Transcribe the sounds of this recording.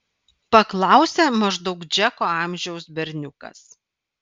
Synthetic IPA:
pɐklˠɑˑʊsʲeːmɐʒd̪ɒʊkd͡ʒʲɛkoːɑːˑmʲʒʲɛʊsbʲɛɾʲnʲʊkɐ̰s

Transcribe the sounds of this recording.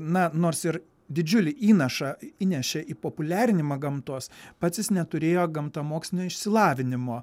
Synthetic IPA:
nɐnoːrsɪɾ | d̪ʲɪd͡ʒʲʊlʲɪʔiːnɐʃɐiːnʲɛʃʲeʔiːpoːpʊlʲæːɾʲɪnʲɪmɐɡɐmt̪uɔspɑːt̪t͡s̪ʲɪsnʲɛt̪ʊɾʲeːjoːɡɐmt̪ɐːmoːksʲlʲɪnʲoːɪʃʲsʲɪlˠɑːʋʲɪnʲɪmoː

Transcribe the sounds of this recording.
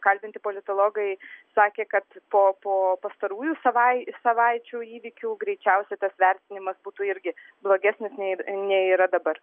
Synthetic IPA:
kɐlʲbʲɪnʲt̪ʲɪpoːlʲɪt̪oːlˠoːɡɐɪsɑːkʲeːkɐt̪poːpoːpɐst̪ɐɾuːjuːsɐʋɐɪsɐʋɐɪt͡ʃʲuːiːʋʲikʲuːɡɾʲɛɪt͡ʃʲɛʊsʲɛt̪ɐsʋʲɛɾʲt̪ʲɪnʲɪmɐsbuːt̪uːɪɾʲɡʲɪ | blˠoːɡʲæːsʲnʲɪsnʲɛnʲɛiːɾɐd̪ɐbɐr

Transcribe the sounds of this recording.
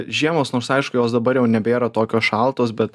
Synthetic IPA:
ʒʲiɛmoːsnoːɾsɐɪʃkʊjoːsd̪ɐbɐɾjɛʊnʲɛbʲeːɾɐt̪oːkʲoːsʃɑlˠt̪oːsbʲɛt̪

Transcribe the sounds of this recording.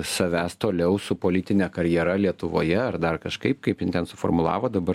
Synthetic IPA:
sɐʋʲæːst̪oːlʲɛʊsʊpoːlʲɪt̪ʲɪnʲɛːkɐɾʲjɛɾɐlʲiɛt̪ʊʋo̰ːjɛɐrd̪ɐrkɐʃkɐɪp̚kɐɪpjɪnt̪ʲɛnsʊfo̰ːrmʊlˠɑ̰ːʋoːd̪ɐbɐɾ

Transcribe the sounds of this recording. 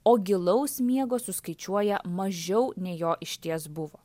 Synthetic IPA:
oːɡʲɪlˠɐʊsmʲiɛɡoːsʊskɐɪt͡ʃʲuɔjɛmɐʒʲɛʊnʲɛɪjoːʔɪʃʲt̪ʲiɛsbʊʋoː

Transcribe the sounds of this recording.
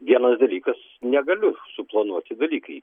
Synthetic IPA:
ʋʲiɛnɐsd̪ɐlʲiːkɐs | nʲɛɡɐlʲʊsʊplˠɐnuɔt̪ʲɪd̪ɐlʲiːkɐɪ

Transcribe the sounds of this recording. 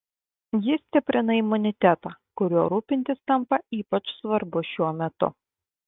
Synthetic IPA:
jɪsʲt̪ʲɪpʲɾʲɪnɐɪmʊnʲɪt̪ʲæt̪ɑːkʊɾʲuɔɾuːpʲɪnʲt̪ʲɪst̪ɐmpɐiːpɐt͡ʃsʋɐɾbʊʃʲuɔmʲɛt̪ʊ̰

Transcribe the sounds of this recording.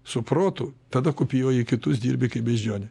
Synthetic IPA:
sʊpɾoːt̪ʊt̪ɐd̪ɐkʊpʲijoːikʲɪt̪ʊsd̪ʲiːɾʲbʲɪkɐɪpbʲɛʒʲd͡ʒʲoːnʲɛ

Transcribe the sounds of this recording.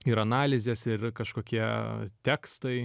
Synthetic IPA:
ɪɾɐnɑːlʲɪzʲeːsɪrkɐʃkoːkʲiɛt̪ʲɛːkst̪ɐɪ

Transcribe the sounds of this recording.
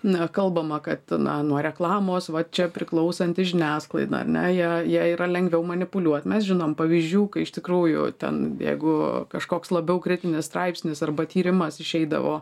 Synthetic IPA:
ɐkɐlˠbɐmɐkɐt̪nɐ̰nuɔɾʲɛklˠɑːmoːsʋɐt͡ʃʲɛpʲɾʲɪklˠɐʊsɐnʲt̪ʲɪʒʲɪnʲæːsklˠɐɪd̪ɐ̰ɐ̰rnʲɛ̰jiɛjiɛiːɾɐlʲɛŋɡʋʲɛʊmɐnʲɪpʊlʲuɔt̪mʲɛsʒʲɪnoːmpɐʋʲizʲd͡ʒʲuːkɐɪɪʃt̪ʲɪkɾuːjʊ̰t̪ʲɛ̰njɛ̰ɪɡʊkɐʃkoːkslˠɐbʲɛʊkɾʲɪt̪ʲɪnʲɪst̪ɾɐɪpʲsʲnʲɪsɐrbɐt̪ʲiːɾʲɪmɐsɪʃʲɛɪd̪ɐ̰ʋo̰ː

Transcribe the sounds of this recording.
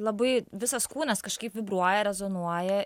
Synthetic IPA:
lˠɐbɐɪʋʲɪsɐskuːnʲɛskɐʃkɐɪpʋʲɪbɾuɔjɛɾʲɛzonuɔjɛ

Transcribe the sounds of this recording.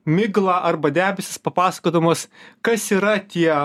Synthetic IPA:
mʲɪɡlˠɑːʔɐɾbɐd̪ʲæːbʲɛsʲɪspɐpɑːsɐ̥koːd̪ɐmoːskɐsiːɾɐt̪ʲiɛ

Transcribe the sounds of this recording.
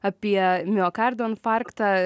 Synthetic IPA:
ɐpʲiɛmʲɛɔkaɾd̪onfaɾkt̪a

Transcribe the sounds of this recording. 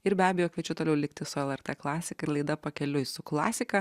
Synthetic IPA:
ɪɾbʲæːbʲɛjoːkʋʲiɛt͡ʃʲʊt̪oːlʲɛʊlʲɪkt̪ʲɪsʊɛlˠɛɾt̪ɛklˠɑːsʲɪkɐɪɾlˠɐɪd̪ɐpɐkʲɛlʲʊsʊklˠɑːsʲɪkɐ

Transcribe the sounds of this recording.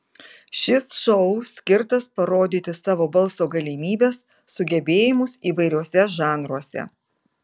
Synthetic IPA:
ʃʲɪsʃɔʊsʲkʲɪɾt̪ɐspɐɾoːd̪ʲiːt̪ʲɪsɑːʋoːbɐlˠsoːɡɐlʲimʲiːbʲeːsː | ʊɡʲɛbʲeːjɪmʊsiːʋɐɪɾʲuɔsʲɛʒɑːnɾuɔsʲɛ̰

